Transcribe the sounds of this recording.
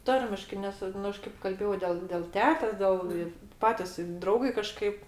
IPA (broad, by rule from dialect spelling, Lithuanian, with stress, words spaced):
ˈtɐrʲmʲɪʃkɐɪ ˈnʲɛs ˈnʊ ˈɐʃ kɐɪp kɐlʲˈbʲeːjɛʊ dʲɛlˠ dʲɛlˠ ˈtʲæːtʲeːs ˈdʲɛlˠ ɪ ˈpɑːtʲɪs ɪ ˈdrɐʊɡɐɪ kɐˈʃkɐɪp